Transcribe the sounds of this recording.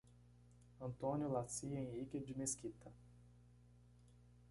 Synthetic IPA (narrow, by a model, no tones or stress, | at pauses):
ɐ̃nt̪õnʲjʊlasiẽj̃ikɪd͡ʒɪmeskit̪ɐ